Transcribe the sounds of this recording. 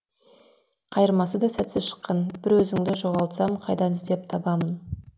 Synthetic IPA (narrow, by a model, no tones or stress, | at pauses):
qʰɑjəɾmɑsəd̪ɑsæt̪sɪʃə̥qːɑnbɪɾwɵzɪŋd̪ɪʒo̞ʁɑlˠt̪sɑmqʰɑjd̪ɑnɪzd̪e̞p̚t̪ʰɑbɑmən